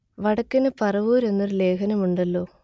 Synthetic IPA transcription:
ʋɐɽɐkːɐnɨpɐrɐʋuːɾe̞nːoɾle̞ːkʰɐnɐmuɳɖɐlːo̞ː

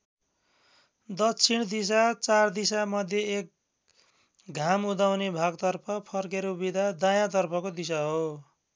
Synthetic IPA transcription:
d̪ʌkt͡sʰiɽd̪is̬at͡sard̪isamʌd̪ʱjeːk̚ | ɡʱamud̪awnebʱaɡt̪ʌrpʰʌpʰʌrkeɾobid̪ʱad̪ajãt̪̬ʌrpʰʌkod̪is̬aɦo

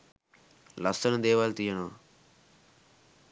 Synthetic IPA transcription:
lɐst̪ɐnud̪ɛːʋaːlt̪ijɐnoː

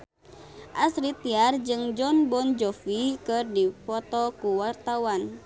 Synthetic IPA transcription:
ʔasɾit̪iard͡ʒɨŋd͡ʒɔnbɔnd͡ʒɔfikɨrdipɔt̪ɔkuwart̪awan

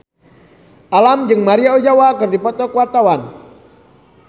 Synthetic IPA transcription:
ʔalamd͡ʒɨŋmaɾiaod͡ʒawakɨrdipɔt̪ɔkəwart̪awan

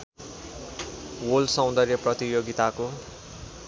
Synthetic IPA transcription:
wolsʌ̃w̃nd̪ʌrjʌprʌt̪ijoɡit̪ako

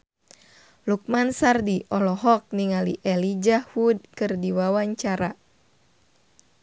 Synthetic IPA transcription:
luk̚mansardiʔɔlɔɦɔk̚niŋaliʔɛlid͡ʒahud̚kɨrdiwawaɲt͡ʃaɾa

